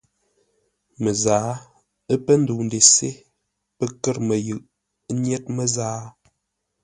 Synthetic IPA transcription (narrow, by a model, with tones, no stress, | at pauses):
mə˨zaː˨˦ | ə˦pə˦n̩˦du˨n˨de˨se˦ | pə˦kə˦ɾmə˨jɨ˨ʔ | n˦ɛ˦t̚mə˦zaː˦